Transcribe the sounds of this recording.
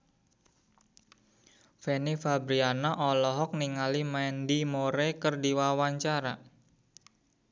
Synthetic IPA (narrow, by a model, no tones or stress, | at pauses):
fenifabɾianaʔɔlɔɦɔk̚niŋalimandimoɾekərdiwawaɲt͡ʃaɾa